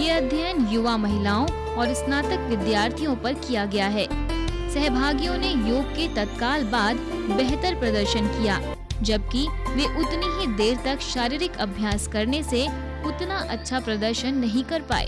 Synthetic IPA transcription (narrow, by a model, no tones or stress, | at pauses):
jeːɐd̪ʱjənjʊʋamɐɦɪlaːõ | ɔːɾsnaːt̪əkʋɪd̪jaːɾt̪ʰijõpɐɾkijaɡɐjaɦɛː | sɛɦbʱaːɡijõnejoːɡ̚ket̪ɐt̪kaːlbaːd̪bɛɦt̪əɾpɾɐd̪əɾʃənkija̰ː | d͡ʒɐb̚kiʋeʔʊt̪neɦid̪eːɾt̪ɐkʃaːɾiːɾɪkɐbʱjaːskɐɾnese | ʊt̪naʔɐtːʃʰapɾɐd̪əɾʃənːɐɦĩkɐɾpa̰ːḛː